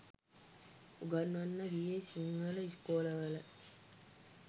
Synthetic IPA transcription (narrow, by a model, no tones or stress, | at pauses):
uɡanːanːəɡijesiŋʋələiskoːləʋələ